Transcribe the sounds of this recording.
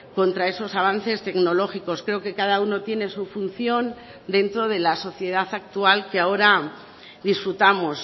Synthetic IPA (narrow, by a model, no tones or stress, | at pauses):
ko̞nt̪ɾae̞so̞saβ̞an̟θe̞st̪e̞ɡno̞lo̞xiko̞skɾe̞oke̞kaðauno̞t̪je̞ne̞sufun̟θjo̞n | d̪e̞nt̪ɾo̞ð̞e̞laso̞θje̞ð̞aθak̚t̪ualkeao̞ɾa | ðisfɾut̪amos